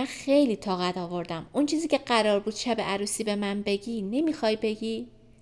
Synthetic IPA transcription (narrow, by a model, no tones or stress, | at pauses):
ænxe̞jliːt̪ʰɒːɣæt̪ɒːvo̞ɾd̪æmunt͡ʃʰiːziːcʰe̞ɢæɾɒːɾbuːd̪̥ʃæbeʔæɾuːsiːbe̞mænbe̞ɟiːne̞miːxɒjbe̞ɡiː